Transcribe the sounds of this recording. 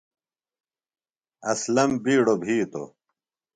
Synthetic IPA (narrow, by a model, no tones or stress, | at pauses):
ɐslɐmbiːɽobʱiːt̪o̰